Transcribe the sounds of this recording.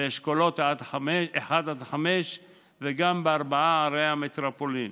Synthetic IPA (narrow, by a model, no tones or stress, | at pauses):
eʃkolo̞t̪ad̪ħameʃeħad̪ad̪ħameʃ | veɡambeaʁbaaaɾeamet̪ɾapolin